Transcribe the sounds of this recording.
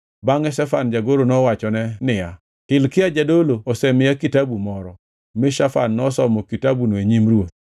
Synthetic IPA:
baŋɛsɛfand͡ʒaɡoɾonɔwat͡ʃɔnɛnɪja | tɪlkɪad͡ʒadoloːsɛmɪjakitabumɔɾɔ | mɪʃafa̰nːɔsɔmɔkitabunoeɲimrwot̪̚

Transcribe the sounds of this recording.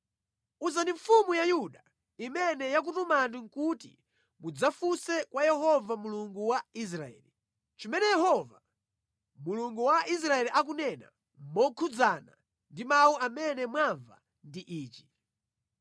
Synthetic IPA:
uzandiɱfumujajuɗa | imɛnɛjak̬utumandiŋkutḭ | mud͡zafusɛkwajɛhɔvamuluŋɡuwais̬ɾaɛ̰ːli | t͡ʃimɛnɛjɛhɔva | muluŋɡuwaʔis̬ɾaɛliʔak̬unɛna̰ | mɔkʰud͡zana̰ | ndimawuʔamɛnɛmwaɱva̰ | ndiʔiːt͡ʃi̥

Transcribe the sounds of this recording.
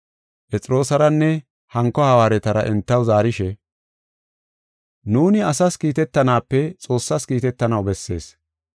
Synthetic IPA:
pɛt͡sʼɪɾo̞ːsɐɾɐnːɛ | hɐŋkːɔhɐwaːɾɛt̪ɐɾɐʔɛnt̪ːɐwzaːɾɪʃɛ | nuːnɪɐsɐskiːt̪ɛt̪ːɐnaːpːɛt͡sʼo̞ːsːɐskiːt̪ɛt̪ːɐnɐwbɛsːe̞̰ːs

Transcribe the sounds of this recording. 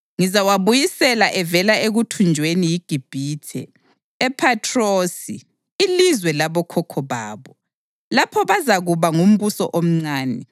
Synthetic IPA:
ŋizawaβujisɛlaʔɛvɛlaeɣutʰund͡ʒʱwenijiɡ̥ʱib̥ʱiːtʰɛ̰ː | pʰatʰʼroːsi | ilizwɛlaβɔkʰɔkʰɔβaːβɔ | lapʰɔβazaɣuβaŋum̩βusɔ̰ʔom̩ŋ͡ǀaːnɛ

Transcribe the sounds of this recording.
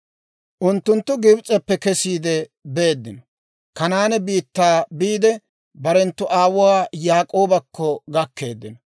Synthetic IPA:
ʔʊnt̪ːʊnt̪ːʊɡɪbt͡sʼɛpːɛkɛsiːd̪ɛbe̞ːd̪ːɪnɔ | kɐnaːnɛbiːt̪ːaːbiːd̪ɛ | bɐɾɛnt̪ːʊʔaːwʊwaːjaːkʼo̞ːbɐkʰːɔɡɐkʰːe̞̰ːd̪ːɪnɔ

